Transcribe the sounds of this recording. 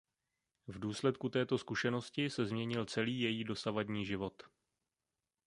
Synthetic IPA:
vduːslɛt̪̚kut̪ɛːt̪o̞skuʃɛno̞scɪsɛzmɲɛɲɪlt͡sɛliːjɛjiːdo̞savadɲiːʒɪvo̞t̪

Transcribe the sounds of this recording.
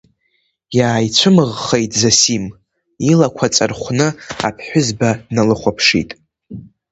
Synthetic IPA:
jaːjt͡sʷʰɨmɨʁːejtʼzasim | ilakʷʰat͡sʼarχʷnɨa̰pʰħʷᶣʊzbadnalɨχʷapʰʂḭtʼ

